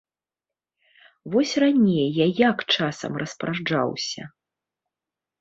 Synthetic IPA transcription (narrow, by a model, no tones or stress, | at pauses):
vɔsʲranʲejjajakt͡ʂasɐ̰mrɐspɾaʐd͡ʐa̰wsʲɐ̰